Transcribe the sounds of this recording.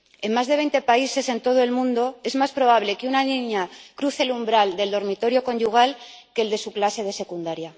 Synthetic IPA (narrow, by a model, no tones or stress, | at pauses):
e̞mmazðe̞βe̞jnt̪e̞paise̞se̞nt̪o̞ð̞oe̞lmũnd̪o̞e̞zmaspɾo̞β̞aβle̞keunanĩɲakɾuθelumbɾald̪e̞ld̪o̞ɾmit̪o̞ɾjo̞ko̞nʝuɣ̞alke̞ld̪e̞suklase̞ð̞e̞se̞kund̪aɾja